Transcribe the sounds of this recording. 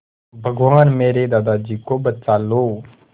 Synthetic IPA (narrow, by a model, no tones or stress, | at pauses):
bʱəɡʋaːnmeːɾed̪aːd̪aːd͡ʒiːkoːbət͡ʃaːloː